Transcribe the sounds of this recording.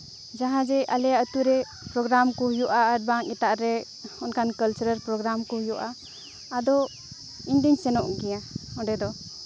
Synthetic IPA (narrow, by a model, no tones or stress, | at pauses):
d͡ʒaɦãd͡ʒɛʔalɛaət̪uɾɛ | pɾɔɡɾamkɔhjɔʔaːɾ̚baŋɛt̪aʔɾɛ | ɔnkʰankəlt͡ʃəɾəɾpɾɔɡɾamkɔhjɔʔaː | d̪ɔ | ind̪iɲsɛnɔʔɡijaɔɖɛd̪ɔ